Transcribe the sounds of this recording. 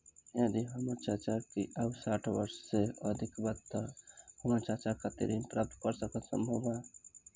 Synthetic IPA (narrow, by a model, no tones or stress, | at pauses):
ẽd̪iɦəmət͡ʃat͡ʃaɾkiʔabsaʈʰbəɾsːeəd̪ʱikbad̪̚t̪ːəhəmat͡ʃat͡ʃakʰat̪ḛɾinpɾap̚t̪ʰkəɾsəkət̪sə̰mbʱəba